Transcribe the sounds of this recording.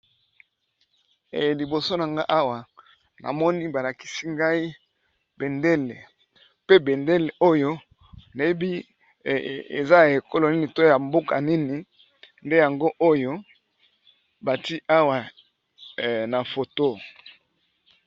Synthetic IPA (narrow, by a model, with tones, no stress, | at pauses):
ḛ˨li˨bo˨so˦na˨ŋɡa˦ʔa˦wa˨ | na̰˨mɔ˦ni˦ba˨la˨ki̥˨si˦ŋɡa˦i˦ | be˨nde˦le˨ | pe˦be˨nde˦le˨ʔo˦jo˦ | na˨je˦bi˦ | ḛ˨za˦ja˨e˨ko˦lo˨ni˦ni˨to˦ja˨mbo˦ka̰˨ni˦ni˨ | nde˦ja˨ŋɡo˦ʔo˦jo˦ | ba˨ti˦ʔa˦wa˨ | na˨fo˨to˦